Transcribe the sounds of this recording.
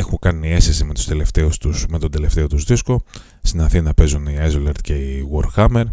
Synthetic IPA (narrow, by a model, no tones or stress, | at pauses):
e̞xuŋkɐnie̞sesime̞t̪u̥st̪e̞le̞ft̪e̞ust̪usme̞t̪od̪ele̞ft̪e̞ot̪uzðisko̞ | st̪inɐθinɐpe̞zuniɐzoleɾt̪̚ce̞iɣoɾxɐme̞ɾ